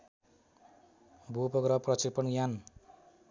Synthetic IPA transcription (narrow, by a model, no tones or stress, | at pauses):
bʱupʌɡɾʌprʌt͡sipʌnjan